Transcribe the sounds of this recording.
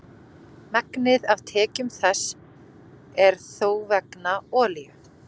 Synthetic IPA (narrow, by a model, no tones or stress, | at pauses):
mɛknɪðavt̪ʰɛːcʏmθɛs | ɛɾ̥θoːwvɛknaɔːlijʏ